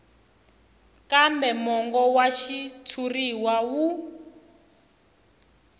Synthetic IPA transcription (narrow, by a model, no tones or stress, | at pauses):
kambɛmɔŋɡɔwaʃit͡sʰuriwawu